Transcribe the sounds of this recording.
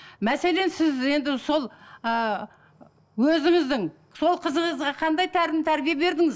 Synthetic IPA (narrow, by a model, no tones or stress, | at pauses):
mæse̞le̞nsɪze̞nd̪ɪso̞lˠə | wɵzɪŋɪzd̪ɪŋ | so̞lˠqʰəzəɴəzʁɑqʰɑnd̪ɑjt̪ʰæɾɪnt̪ʰæɾbijebe̞ɾd̪ɪŋɪz